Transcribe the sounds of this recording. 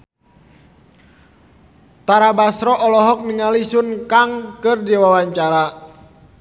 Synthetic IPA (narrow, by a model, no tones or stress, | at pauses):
t̪aɾabasɾɔʔɔlɔɦɔk̚niŋalisunkaŋkɨrdiwawaɲt͡ʃaɾa